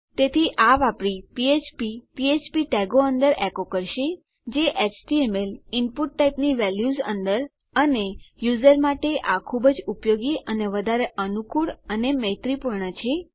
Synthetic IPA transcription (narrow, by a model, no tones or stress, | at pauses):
t̪et̪ʰiʔaʋapɽipiet͡ʃpipiet͡ʃpiʈɛɡoənd̪əɾɛkokəɾʃe | d͡ʒeʔet͡ʃʈiemelɪnpuʈːaipniʋɛljuzə̰̃nd̪əɾ | ənejuzəɾmaʈeʔakʰubəd͡ʒupjoɡiʔəneʋəd̪ʱaɾeʔənukuɭənemə̃ɦit̪ɾipuɾɳət͡ʃʰe